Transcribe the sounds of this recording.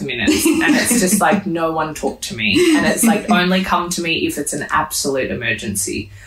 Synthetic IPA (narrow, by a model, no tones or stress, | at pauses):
mɪ̃nɨ̰ɨ̃nɨtsd̥ʒ̥ʌstˡlaɪk̚noʊwʌ̃ntʰɔk̚tʰɨmiɨ̃nɨtslaɪkõʊ̃nlikʰʌ̃mtʰɨmiʔɨfɨtsɨ̃n̩æ̰b̥səlʉɾɨ̰mɜ˞d͡ʒɨ̃nsḭ